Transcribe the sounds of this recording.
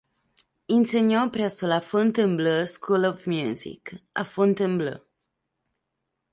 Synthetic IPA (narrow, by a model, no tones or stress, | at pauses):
inseɲjopɾɛsolafont̪əmbləskʰulɔvmjuzḭka̰font̪əmblə̰